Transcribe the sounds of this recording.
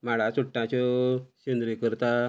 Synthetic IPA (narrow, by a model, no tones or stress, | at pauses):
maɭ̤at͡suʈːãt͡ɕɔɕend̪ɾikəɾt̪a